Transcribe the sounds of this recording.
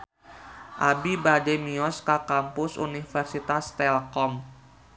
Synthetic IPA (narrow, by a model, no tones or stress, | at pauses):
ʔabibadɛmiɔskakampʊsṵnifərsit̪ast̪ɛlkɔm